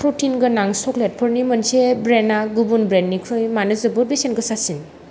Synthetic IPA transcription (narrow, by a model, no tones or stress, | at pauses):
pʰɾutinɡɯnaŋsɔklet̚pʰɔɾnimɔnsebɾenaɡubunbɾenːikʰɾɯjmanɯzɯbuɾbesenɡɯsasin